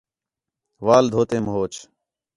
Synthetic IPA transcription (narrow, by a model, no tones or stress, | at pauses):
ʋaːld̪ʱoːt̪ẽːməɦoːt͡ʃ